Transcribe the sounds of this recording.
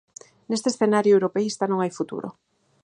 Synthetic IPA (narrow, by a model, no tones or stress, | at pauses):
nest̪esθenaɾjoewɾopeist̪anõŋajfut̪ṵɾo̰